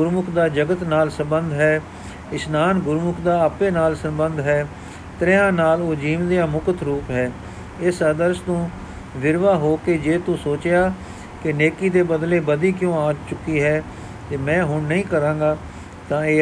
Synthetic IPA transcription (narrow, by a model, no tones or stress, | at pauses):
ɡʊɾmʊkʰd̪aːd͡ʒəɡət̪naːlsə̃mbənd̪ɦɛː | ɪsnaːnɡʊɾmʊkʰd̪aːapeːnaːlsəmbənd̪ɦɛː | t̪ɾeãːnaːloːd͡ʒiːʋd̪ijãːmʊkət̪ɾuːpɦɛː | ɪsəd̪əɾst̪õː | ʋɪɾʋaːɦoːkeːd͡ʒeːt̪ʊ̃soːt͡ʃjaː | kɪneːkiːd̪eːbəd̪leːbəd̪iːkjõːãːt͡ʃʊkːiːɦɛː | t̪eːmɛ̃ːɦʊɳnəĩːkəɾãːɡaː | t̪ãːeː